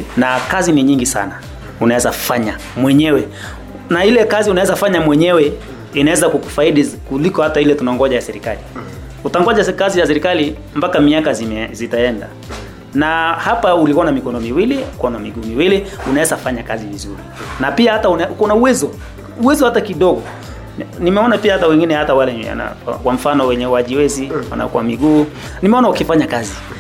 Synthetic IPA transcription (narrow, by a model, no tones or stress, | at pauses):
nakaziniɲiŋɡisa̰na | unaɛzafaɲa | mwɛɲɛwɛ | nailɛkaziunawɛzafaɲamwɛɲɛwɛ | inawɛzakukufaiɗikulikɔhatailɛtunaŋɡɔʄajasɛɾikali | utaŋɡɔʄakazijasɛɾikali | mpakamiakazizitaɛnda̰ | nahapaulikuanamikɔnɔmiwilikuɔnamiɡuːmiwiliunaɛsafaɲakazivizuɾḭnapiahataunukɔnauwɛzɔ | uwɛzɔhatakiɗɔɡɔ | nimɛɔnapiahatawɛŋɡinɛhatawalɛa̰na̰akwam̩fanɔwɛɲɛwaʄiwɛziwa̰na̰kuamiɡuː | nimɛɔnaukifaɲakazi